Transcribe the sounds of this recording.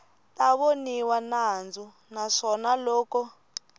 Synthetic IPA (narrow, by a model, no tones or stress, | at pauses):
taβoniwanand͡zu | naʂɔnalɔːkɔ